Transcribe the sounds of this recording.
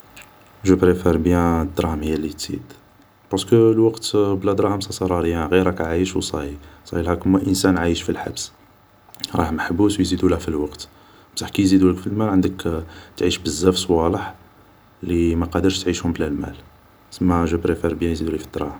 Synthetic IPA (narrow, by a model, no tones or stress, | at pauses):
ʒəpɾefæɾbjæ̃d̪ɾˤɑmhijælːit̪z̥ḭd̪ | pɑɾskəlwɑqt̪blæd̪ɾˤɑhəmsˤɑsˤɑɾˤɑɾəjːæɣiɾækæʕajəʃwsˤɑhisˤɑhilhækʊmːæʔənsænʕajəʃfilħa̰bs | ɾˤɑhməħbuswjzid̪ulhæfilwɑqt̪ | bsaħkijzid̪uləkfilmælʕənd̪əkt̪ʕiʃbəzːæfswɑləħ | limæqɑd̪əɾʃt̪ʕiʃhʊmblælmæ̰l | səmːæʒəpɾefeɾbjæ̃jzid̪ulifid̪ɾˤɑ̰hm